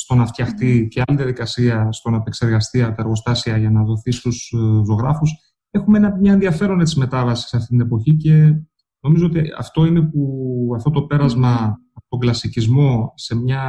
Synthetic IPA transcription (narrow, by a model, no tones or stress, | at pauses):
st̪o̞nɐft̪çɐxt̪iceɐliðiɐðikɐsiɐst̪o̞nɐpekse̞ɾɣɐst̪iɐpot̪ɐeɾɣo̞st̪ɐsiɐʝɐnɐðo̞θist̪uszo̞ɣɾɐfus | exumeenɐmɲɐe̞nðiɐfe̞ɾo̞net̪sizme̞t̪ɐvɐsi̥sɐft̪it̪inepo̞çice̞ | no̞mizoot̪iɐ̰ft̪o̞ine̞puɐft̪o̞t̪o̞pe̞ɾɐzmɐː | pot̪o̞ŋɡlɐsicizmo̞se̞mɲɐ